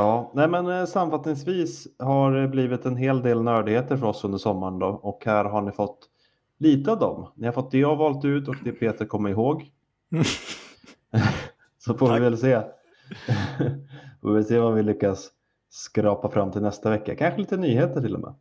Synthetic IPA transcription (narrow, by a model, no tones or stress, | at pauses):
ɑːnɛmɛnsamafat̪nɪŋsviːshaɾbliːvɪt̪ɛnɦeːld̪eːlnœːɖɪheːt̪əɾfœɾɔsɵnd̪əʂɔmːaəɳd̪ɔɔkhæːɾɦaɳɪfɔt̪ː | liːt̪əad̪ɔ̰mnɪhaɾfɔt̪̚d̪ɛɔvɑːlt̪ʉ̟ːt̪ɔk̚d̪ɛpʰeːt̪əɾkʰɔmːəɾɪɦoːɡ | sɔfoːvɪvɛlseː | fo̰vɪseːvavɪlʏkːasː | kɾɑːpafɾʔamːt̪ʰɪlnɛst̪avɛkːa̰kʰanɧəliːt̪ənyːheːt̪əʈʰɪlɔ̰mʔɛ̰ː